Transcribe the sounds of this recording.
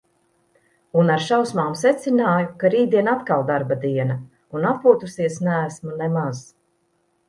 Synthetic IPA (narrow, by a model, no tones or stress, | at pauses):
unaɾʃawsmaːmsɛt̪sinaːjukaɾiːd̪iɛnat̪kalˠd̪aɾbad̪iɛna | unapuɔt̪usiɛsnæːsmunɛmaz̥